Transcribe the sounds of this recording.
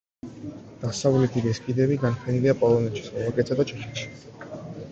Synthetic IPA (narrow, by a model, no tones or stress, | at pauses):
d̪̥asavlɛt̪ʰiɡɛskʼid̪ɛbiɡanpʰɛniliapʼɔlˠɔmɛnt͡ʃʰi̥smɛɛkʼɛt̪sʰad̪at͡ʃʰɛʃɛ̥t̪ʃi̥